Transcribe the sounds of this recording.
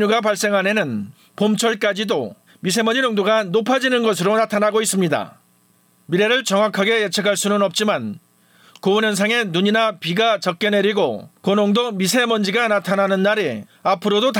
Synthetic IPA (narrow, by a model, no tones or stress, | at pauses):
uɡapaɭs͈e̞ŋɦane̞nɯn | pomt͡ɕʰʌɭk͈ad͡ʑido | mis̬ʰe̞mʌɲd͡ʑinoŋdoɡanopʰad͡ʑinɯnɡʌs̬ʰɯɾonatʰanaɡois͈ɯmɲida̰ | miɾe̞ɾɯɭt͡ɕʌŋwakʰaɡe̞jet͡ɕʰekʰaɭs͈unɯnʌp̚t͡ɕ͈iman | kounʌns̬ʰaŋe̞nuɲinapiɡat͡ɕʌk͈̚ene̞ɾiɡokonoŋdomisʰe̞mʌnd͡ʑiɡanatʰananɯnːaɾeapʰɯɾodot